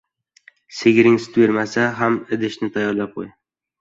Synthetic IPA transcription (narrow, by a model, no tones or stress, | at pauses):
seɡʲɾɪŋst̪ʰweɾmasaɦamɪd̪ɪʃnɪt̪ʰajːɒɾlap̚qʰoj